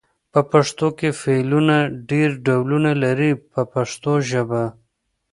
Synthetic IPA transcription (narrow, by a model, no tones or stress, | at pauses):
pəpaʂt̪okefelunaɖeɾɖawlunalaɾipəpaʂt̪oʒəba